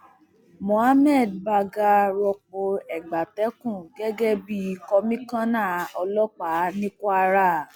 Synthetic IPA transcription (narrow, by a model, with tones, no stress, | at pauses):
mõ˨a˦mɛ˦˨d̚ba˧ɡa˧ɾɔ˧k͡po˧ɛ˨ɡ͡ba˨tɛ˨˦kũ˦˨ɡɛ˦ɡɛ˦bi˦˧kɔ˧mĩ˦kã˦nãː˦˨ɔ˧lɔ˦k͡pa˨˦nĩ˦kwa˧ɾa˦